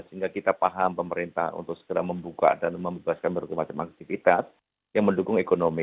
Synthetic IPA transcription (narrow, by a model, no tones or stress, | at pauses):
səiŋɡakit̪apaɦampəməɾint̪a̰hṵnt̪ʊk̚sə̥ɡəɾa̰hməmbuka̰danməmbebaskanməɾukumat͡ʃama̰k̚t̪ifit̪as | jaŋməndukʊŋekonomi